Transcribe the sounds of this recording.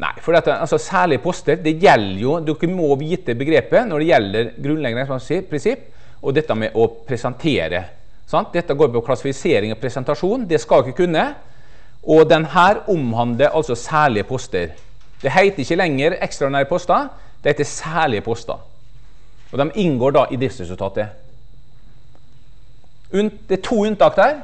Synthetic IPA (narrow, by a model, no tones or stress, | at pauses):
nʔæ̰ɪfɔɖiːɑt̪ɑlsɔsæːɭɪəpʰɔst̪əɾd̪ɛjɛlːəjʊd̪ʉkːəmɔʋiːt̪əbəɡɾeːpənɔɖɛjɛlːəɾɡɾʉnlɛɡənsɔmɑsipʰɾɪnsɪpː | ʔɔd̪ɛt̪ːəmɛʔɔpʰɾɛsɛnt̪ʰeːɾə̰ | sɑnt̪̚d̪ɛt̪ːəɡoːɾpɔkʰlɑsɪfɪseːɾɪŋɔpʰɾɛsɛnt̪ɑʂuːnd̪ɛskɑlɪkːəkʉnːə | ʔɔd̪ɛnɦæːɾʊmhɑnd̪ləɾʔɑ̰lsɔsæːɭɪəpʰɔst̪əɾ | d̪̥ɛɦæɪt̪əɾɪçːəlɛŋːəɾɛkst̪ɾɑd̪ɪnæːɾəpʰɔst̪ɑ | d̪ɛhæɪt̪ɛsæːɭɪəpʰɔst̪ɑ̰ | ɔd̪ɛmɪŋɡoːɖɑʔɪd̪ɾɪft̪sɾɛsʉlt̪ɑːt̪ə | ʉnd̪ɛt̪ʰuːʉnt̪ɑːk̚d̪æːɾ